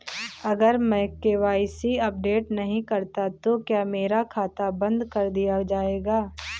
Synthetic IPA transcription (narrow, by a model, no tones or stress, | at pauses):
ɐɡəɾmɛ̃keʋaːɪsiɐp̚ɖeːʈnɐɦĩkɐɾt̪at̪okjaːmeːɾakʰaːt̪abɐ̃nd̪kɐɾd̪ijad͡ʒaːeːɡaː